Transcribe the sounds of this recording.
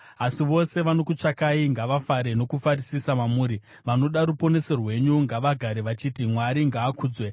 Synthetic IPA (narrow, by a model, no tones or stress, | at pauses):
asiʋo̞se̞ʋano̞kut͡ʂakaiŋɡaʋafaɾe̞no̞kufaɾisisamamuːɾi | ʋano̞ɗaɾupo̞ne̞se̞rwe̞ɲuŋɡaʋaɡʱaɾeʋat͡ʃiːtimwaɾiŋɡaːkʰuːd͡zwe